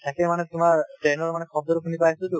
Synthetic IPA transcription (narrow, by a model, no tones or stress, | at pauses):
t̪ʰakemanet̪umaɾʈejnoɾmanekʰɔb̚d̪oɾkʰunipajsud̪u